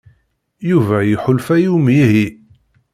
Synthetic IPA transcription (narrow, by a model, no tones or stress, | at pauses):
juvæjiħʊlfæjumjiɦi